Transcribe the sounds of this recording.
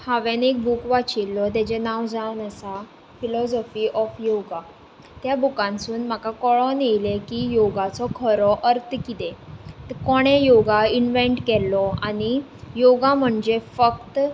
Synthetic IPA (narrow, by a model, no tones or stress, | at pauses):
haʋenek̚bukʋat͡ɕilːɔt̪̬jɛt͡ɕɛnawd͡zanəsa | filɔsɔfiːʔɔfjoɡa | t̪jabukãnsuːnm̤akakɔɭɔnejlekijoɡat͡sɔkʰəɾɔʔəɾt̪ʰkit̪ekɔɽ̃ejoɡainʋɛɳʈkɛlːɔaɽ̃i | joɡam̤əɳd͡ʑefəkt̪